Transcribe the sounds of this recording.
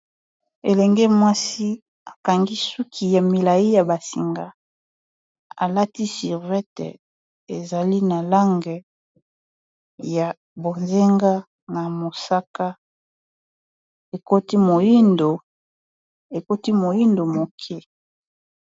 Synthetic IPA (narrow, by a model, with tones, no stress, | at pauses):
e˨lɛ˨ŋɡe˦mwa˦si˦ | a˨ka˨ŋɡi˦su˦kʰi˨ja˨mi˨la˨ji˦ja˨ba˨sḭ˨ŋɡa˨ | a̰˨la˦ti˦si˨ʁvɛ˦tḛ˨ | e˨za˨li˦na˨la˦ŋɡɛ˨ | ja˨ | bo˨nze˦ŋɡa˦ | na˨mo˨sa˦ka˦ | e˨ko˦ti˦mo˨ji˦ndo˨ | e˨ko˦ti˦mo˨ji˦ndo˨mo˨kʰe˦